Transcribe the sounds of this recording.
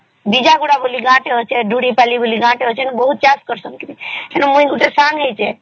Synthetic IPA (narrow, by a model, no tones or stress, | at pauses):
bid͡ʒaɡuɽaboliɡãʈeɦot͡ʃʰɛɖʱuɽipɛliboliɡãʈeɦot͡ʃʰɛnbəɦut̪̚t͡ʃaskəɾsəmkɾiɦenemũiɡuʈ̪esãŋɦejt͡ʃʰɛ